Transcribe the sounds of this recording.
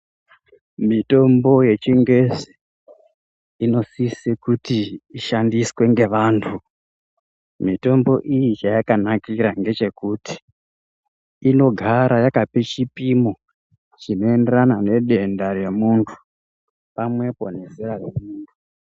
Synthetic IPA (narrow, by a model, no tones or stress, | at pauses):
mito̞mbo̞je̞t͡ʃiŋɡe̞si | no̞sisekutiːʃandiswe̞ŋɡe̞ʋaːntʰu | mito̞mbo̞ʔijit͡ʃajakanakiɾaŋɡe̞t͡ʃe̞kuti̥ | no̞ɡʱaɾajakapet͡ʃipimo̞ | t͡ʃino̞e̞nde̞ranane̞ɗe̞ndaɾe̞muntʰu̥ | pamwe̞po̞̰ne̞seɾaremuːntʰu